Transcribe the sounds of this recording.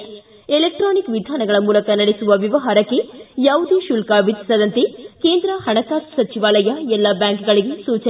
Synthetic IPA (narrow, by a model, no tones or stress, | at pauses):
elek̚ʈɾoːnikʋid̪ʱaːnɐɡɐɭɐmuːlɐkɐnɐɽesuʋɐʋiʋɐɦaːɾɐkːe̞jaːʋud̪uʃulkaʋit̪ːi̥sɐd̪ɐnt̪ekeːnd̪ɾɐhɐɳɐkaːssɐt͡ʃiʋaːlɐjɐɛlːɐbjaːŋkɡɐɭiɡe̞suːt͡ʃɐ